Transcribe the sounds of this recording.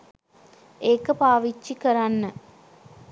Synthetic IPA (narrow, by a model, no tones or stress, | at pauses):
eːkəpaːʋit͡ʃːikəɾanːə